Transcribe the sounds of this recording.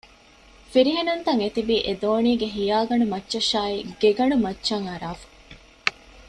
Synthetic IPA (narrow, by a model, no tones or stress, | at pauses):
fiɾiɦenunt̪ɐŋet̪ibiːʔed̪oːniːɡeɦijaːɡɐɳumɐtːʃɐʃaːiɡeɡɐɳumɐt͡ʃːʃɐŋɐɾaːfɐ̥